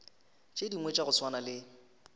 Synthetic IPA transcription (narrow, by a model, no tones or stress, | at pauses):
t͡ʃʼediŋwet͡ʃʼaɣʊswanalɪ